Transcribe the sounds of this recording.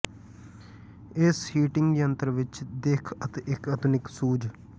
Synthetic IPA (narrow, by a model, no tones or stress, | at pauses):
ɪshiːʈɪ̃ŋɡd̪iːə̃nt̪əɾʋɪt͡ʃd̪eːkʰət̪eʔɪkəd̪ʊnɪksuːd͡ʒ